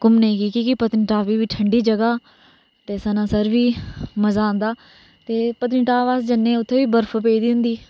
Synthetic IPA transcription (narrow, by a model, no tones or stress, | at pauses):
kʊmneĩːkiːkiːkɪpət̪nʈaːʋiːʋiːʈʰəɳɖiːd͡ʒəɡaː | t̪eːsənãːsəɾʋiːməzãːnd̪aː | t̪eːpət̪nʈaːʋaːsd͡ʒənːẽːʊt̪ʰːeːʋiːbəɾpʰpeːid̪iːɦʊ̃nd̪iː